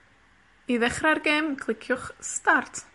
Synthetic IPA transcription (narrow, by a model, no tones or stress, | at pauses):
iðɛχrarɡeːmkʰlˠɪkʰjʊχstartʰ